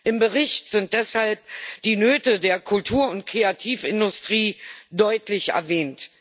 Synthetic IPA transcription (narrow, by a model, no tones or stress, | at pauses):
ʔɪmbəʁɪçtz̥ɪnt̚d̥ɛshalp̚d̥iːnøːtədeːɐkʰʊltʰuːɐʊntkʰʁ̥eatʰiːfɪndʊstʁ̥iːdɔʏtlɪçɛ̰ɐvɛːnt